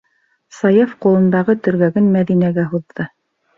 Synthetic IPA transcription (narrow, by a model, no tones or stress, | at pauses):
sɑjefqulˠɤ̆nd̪ɑʁɤt̪ɵ̆ɾɡæɡɘnmæðinæɡæɦuðːɤ